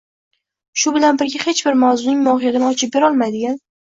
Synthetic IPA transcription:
ʃʊbɪlanbɪɾɡʲahe̞t͡ʃbɪɾmawzʊnɪŋmɒhɪjat̪ɪnɪɒt͡ʃʰɪp̚be̞ɾɒlˠmajd̪ɪɡʲan

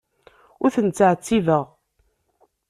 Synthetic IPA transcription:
ʊɾθənt͡sːəʕt͡sːivəʁ

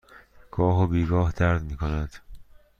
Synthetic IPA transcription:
ɡ̥ɒːɦobiːɡɒːhd̪æɾd̪miːkʰonæd̪̥

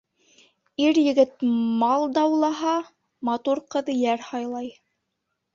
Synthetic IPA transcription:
iɾjɘ̆ɡɘt̪̚mɑlˠd̪ɑwlˠɑɦɑ | mɑt̪uɾqɤ̆ðjæɾhɑjlˠɑj

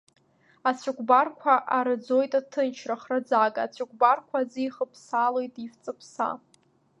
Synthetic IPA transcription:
at͡sʷʰʊkʷbarkʷʰaʔaɾɨd͡zo̞jtʼatʰɨnt͡ʃʰraχrad͡zakʼaat͡sʷʰʊkʷʰʼbarkʷʰazijχəpʰsalo̞jtʼift͡sʼɨpʰsa̰

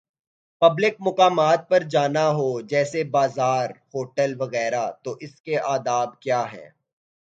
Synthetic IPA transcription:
pɐblɪk̚mʊkaːmaːt̪̚pɐɾd͡ʒaːnaɦod͡ʒɛːsebaːzaːɾhoːʈəlʋɐɣɛːɾat̪oʔɪskeʔaːd̪aːb̚kjaːɦɛ̰ː

